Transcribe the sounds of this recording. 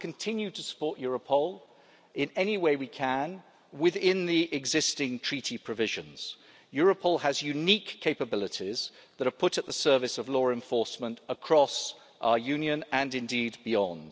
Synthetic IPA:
kʰə̃ntʰɪ̃njʉtʰəsə̥pʰɔˑʔjɔːɹəpʰəʊlˠ | ɪ̃nɛniweɪwikʰə̃n | wɪðɪ̃nðiʔɪɡzɪstɪ̃ŋtʰɹ̥iˑtʰipʰɹ̥əvɪʒə̃nz̥ | jɔːɹəpʰəlˠəzjʉniˑkʰːeɪpəbɪlˠɪtiz̥ðəɾə˞pʰʊɾəʔ̪̚ðəsɜ˞vɨsəvlɔːɹɛ̃ɱfɔɹsmə̃ntəkʰɹ̥ɒs | ʔaʊəjʉ̃njə̃nə̃nɨ̃ndiːd̚bɪɒ̃nd̥

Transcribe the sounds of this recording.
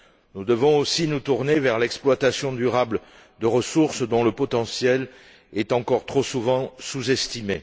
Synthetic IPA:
nud̪əvɔ̃osinut̪uʁnevɛʁlɛksplwat̪asjɔ̃d̪yʁabl | d̪əʁəsuʁsd̪ɔ̃ləpɔt̪ɑ̃sjɛl | ɛt̪ɑ̃kɔʁt̪χosuvɑ̃suzɛst̪ime

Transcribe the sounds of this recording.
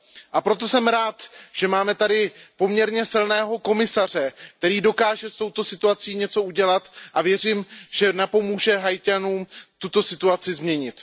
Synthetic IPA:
ʔapɾo̞t̪̬o̞sɛmɾaːt̪ʒ̥ɛmaːmɛt̪adɪpo̞mɲɛɾɲɛsɪlnɛːɦo̞ko̞mɪsar̝ɛk̚t̪ɛɾiːdo̞kaːʒɛst̪o̞wt̪o̞sɪt̪uat͡siːɲɛt͡so̞uɟɛlat̪ʔavjɛriːmʒ̥ɛnapo̞muːʒɛɦajcanuːmt̪ut̪o̞sɪt̪uat͡sɪzmɲɛɲɪt̪

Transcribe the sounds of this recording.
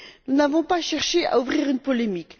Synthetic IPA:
nunavɔ̃paʃɛʁʃea̰ufʁiʁynpɔlemik

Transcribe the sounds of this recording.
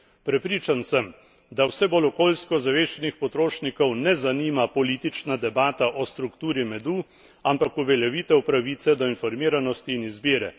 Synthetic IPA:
pɾɛpɾiːt͡ʃansəm | d̪awsɛbolɔkoːlskɔzaʋeːʃɛnixpɔt̪ɾoːʃnikɔwnɛzaniːmapɔliːt̪it͡ʃnad̪ɛbaːt̪aʔɔst̪ɾukt̪uːɾimɛd̪u | ampakuʋɛljaʋiːt̪ɛwpɾaʋiːt̪sɛd̪ɔinfɔɾmiːɾanɔst̪iːnizbiːɾɛ

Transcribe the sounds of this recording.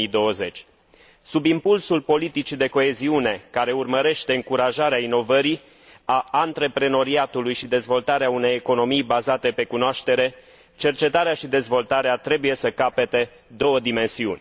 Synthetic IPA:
id̪o̞wəze̞t͡ʃʲ | subimpulsulpo̞lit̪it͡ʃid̪e̞ko̞e̞ziune̞kaɾe̞urməɾe̞ʃt̪e̞ɨŋkuɾaʒaɾeaino̞vəɾi | aːnt̪ɾe̞pɾe̞no̞ɾiat̪ulujʃid̪e̞zvo̞lt̪aɾeaune̞jeko̞no̞mijbazat̪e̞pe̞kunoaʃt̪e̞ɾe̞ | t͡ʃe̞rt͡ʃe̞t̪aɾeaʃid̪e̞zvo̞lt̪aɾeat̪ɾe̞buje̞səkape̞t̪e̞ | d̪o̞wəd̪ime̞nsiṵnʲ

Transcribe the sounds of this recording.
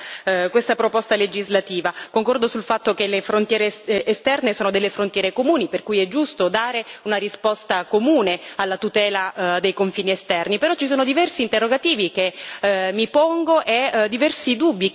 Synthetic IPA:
kwest̪apɾopɔst̪aled͡ʒizlat̪iːvakoŋkɔrd̪osulfat̪ːokelefɾont̪jɛːɾeːst̪ɛrnesoːnod̪elːefɾont̪jɛːɾekomuːniperkujɛd͡ʒːust̪od̪aːɾeunaɾispɔst̪akomuːnealːat̪ut̪ɛːlad̪ejkoɱfiːniest̪ɛrnipeɾɔt͡ʃːis̬oːnod̪ivɛrsiːnt̪erːoɡat̪iːvikemːipɔŋɡoʔed̪ːivɛrsid̪ubːi

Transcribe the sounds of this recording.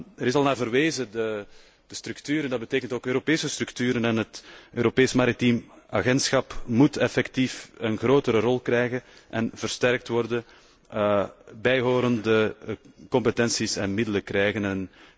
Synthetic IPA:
əɾɪsɑlˠnaːrvərʋeːzədə | d̥əstɾʉktyːɾəndɑd̚bəteːkəntoːkøːɾopeːsəstɾʉktyːɾənɛnɦətøːɾopeːsmaɾitimaɣɛntsxɑpmutɛfɛktifənɣroːtəɾərɔlˠkrɛjɣənʔɛnvərstɛrk̚twɔrdə | bɛjɦoːɾəndəkɔmpətɛnsisɛnmɪdələkrɛjɣənɛn

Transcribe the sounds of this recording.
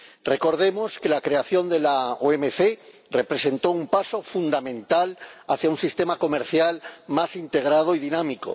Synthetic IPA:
re̞ko̞ɾð̞e̞mo̞ske̞lakɾe̞aθjo̞nd̪e̞laoemefe | re̞pɾe̞se̞nt̪o̞umpaso̞fund̪amẽ̞nt̪alaθjaunsist̪e̞mako̞me̞ɾθjalmasint̪e̞ɣ̞ɾað̞oiðinamiko̞̰

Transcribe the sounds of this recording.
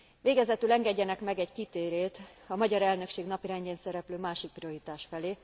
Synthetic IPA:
veːɡɛzɛt̪ylɛŋɡɛɟːɛnɛkmɛɡɛɟkit̪eːɾeːt̪ɒmɒɟɒɾɛlnø̞kʃeːɡnɒpiɾɛɲɟeːnsɛɾɛpløːmaːʃik̚prioɦit̪aːʃfɛleː

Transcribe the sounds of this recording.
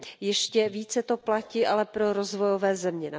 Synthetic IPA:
jɛʃcɛviːt͡sɛt̪o̞placiːʔalɛpɾo̞ɾo̞zvo̞jo̞vɛːzɛmɲɛna

